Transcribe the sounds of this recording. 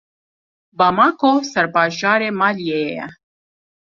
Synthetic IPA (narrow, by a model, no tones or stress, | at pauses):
baːmaːkosɛɾbaːʒaːɾeːmaːlijeːjejɛ̰